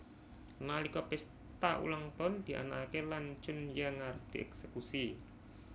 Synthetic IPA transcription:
nalikɔpɛs | t̪aʔṵlaŋt̪ɔnd̪̥i̤ʔa̰nakelaɲt͡ʃʊnjaŋaɾʊd̪̥i̤ʔɛ̰ksekusi

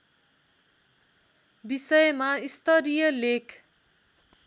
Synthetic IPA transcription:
bisʌjmaist̪ʌɾijʌlekʰ

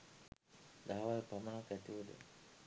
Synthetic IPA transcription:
d̪aɦawalpamənakɛt̪iod̪ə̰

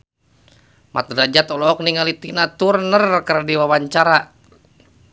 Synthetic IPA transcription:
ma̰t̪̚dad͡ʒat̪ɔlɔːk̚niŋalit̪inat̪urnərkəɾdiwawaɲt͡ʃaɾa

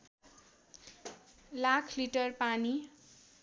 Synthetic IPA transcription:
lakʰliʈʌrpani

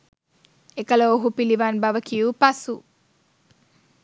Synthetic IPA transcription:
ekɐlooɦupiliʋaːnbɐʋɐkijupɐsu

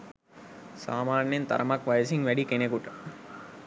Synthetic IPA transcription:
saːmaːnjent̪a̰ɾəmakʋajəsiŋʋæɖikenekuʈə

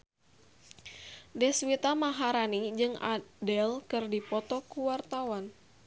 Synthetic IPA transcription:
dɛswit̪amaɦaɾanid͡ʒɨŋa̰dɛlkɨrdipɔt̪ɔkuwart̪awan

